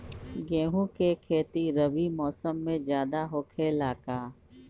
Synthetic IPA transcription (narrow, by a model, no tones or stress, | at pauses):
ɡẽːɦũkekʰeːt̪iɾəbimɔːsəmːẽd͡ʒjaːd̪aɦoːkʰelaːkaː